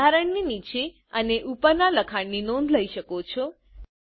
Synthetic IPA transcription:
aɾəɳninit͡ʃe | əneʔupəɾnaləkʰaɳninonləiʃəkot͡ʃʰo

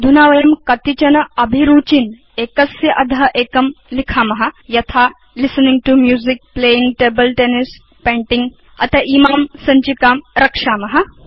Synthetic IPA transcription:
d̪ʱunaːʋɐjɐmkɐt̪it͡ʃɐnɐɐbʱiɾuːt͡ʃin | eːkɐsjɐʔɐd̪ʱɐɦʔeːkɐmlikʰaːmɐɦɐjɐt̪ʰaː | lisɐniŋɡʈumjuːzik̚pleːjiŋɡʈeːbɐlʈeːnis | pẽːɳʈiŋɡ | ɐ̰t̪ʰɐʔiːmaːmsɐɲt͡ʃikaːmɾɐkʂaːmɐɦɐ̆

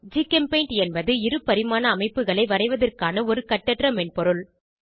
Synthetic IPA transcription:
d͡ʒikɐmpɐɪɳʈɛnbɐðɯɪɾɯpːɐɾɪmaːnɐːmɐɪpːɯɣɐɭɐɪʋɐɾɐɪʋɐðɐrkaːnɐɔɾɯkɐʈːɐʈrɐmɛnpɔɾɯɭ

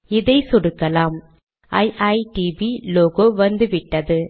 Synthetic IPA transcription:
ɪðɐɪsɔɽɯkːɐlaːm | ʔɐ̰ɪʔɐɪʈibiloɣoːʋɐnd̪ɯʋɪʈːɐðɯ

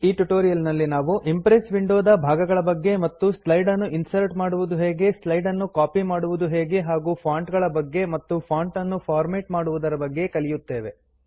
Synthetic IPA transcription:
iːʈuʈoːɾijɐlnɐlːinaːʋuʔimpɾesʋiɳɖoːd̪ɐbʱaːɡɐɡɐɭɐbɐɡːe̞mɐt̪ːuslɐjɖɐnːuʔinsɐɾʈmaːɽuʋud̪uɦeːɡe̞slɐjɖɐnːukaːpimaːɽuʋud̪uɦeːɡe̞ɦaːɡuːpʰaːɳʈɡɐɭɐbɐɡːe̞mɐt̪ːupʰaːɳʈɐnːupʰaːɾmeːʈmaːɽuʋud̪ɐɾɐbɐɡːe̞kɐlijut̪ːe̞ːʋe̞

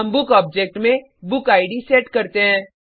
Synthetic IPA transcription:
ɐmbʊkɔːb̚d͡ʒeːk̚ʈmẽ | bʊkaːɪɖiseːʈkɐɾt̪eɦɛ̃ː

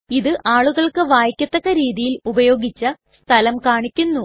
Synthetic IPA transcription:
iðɨʔaːɭuɣɐɭkɨʋaːjkʲːjɐt̪ːɐɣɐɾiːðijilubɐjo̞ːɡit͡ɕːɐ | st̪ʰɐlɐmkaːɳikʲːunːu

